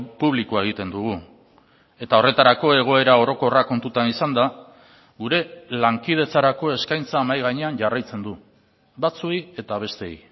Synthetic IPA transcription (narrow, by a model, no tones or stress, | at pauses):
puβlikuae̞ɣ̞it̪e̞nd̪uɣ̞u | e̞t̪ao̞re̞t̪aɾako̞e̞ɣ̞o̞e̞ɾao̞ɾo̞ko̞rako̞nt̪ut̪anisand̪a | ɣuɾe̞laŋkið̞e̞t͡saɾako̞e̞skajnt͡saːmajɣaɲe̞aɲʝarajt͡se̞nd̪u | bat͡suje̞t̪aβ̞e̞st̪e̞j